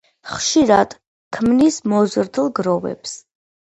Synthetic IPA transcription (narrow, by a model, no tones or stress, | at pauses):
χʃiɾad̪̥ | kʰmnismɔzɾd̪lˠɡɾɔvɛ̰ps